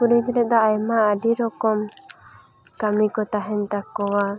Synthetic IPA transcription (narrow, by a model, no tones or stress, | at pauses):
kuɾid͡ʒɾɛd̪aːjmaəɖiɾɔkɔm | kamikɔt̪aɦɛnt̪akːɔwa